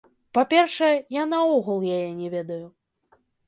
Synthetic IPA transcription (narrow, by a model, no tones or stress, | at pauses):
papʲɛrʂɛjɛjanɐɔɣulˠjajɛnʲɛvʲɛd̪ɐju